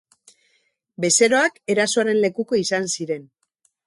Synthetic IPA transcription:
be̞se̞ɾo̞ake̞ɾasoaɾe̞nle̞kuko̞isansiɾe̞n

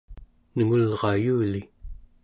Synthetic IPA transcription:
nəŋulʁɑjuːli

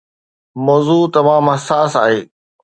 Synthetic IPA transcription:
mɔːzuːt̪ɐmaːmɦɐsaːsa̰ːɦeː

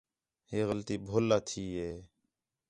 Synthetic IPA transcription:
ɦeːɣəlt̪iːbʱoːlːaːt̪ʰiːɦeː

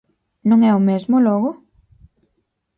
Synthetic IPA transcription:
nõŋɛʊmezmolɔɣʊ

